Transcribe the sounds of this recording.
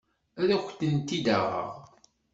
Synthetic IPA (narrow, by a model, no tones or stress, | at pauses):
æðæxʷt̪ːənt̪ːid̪aʁa̰ʁ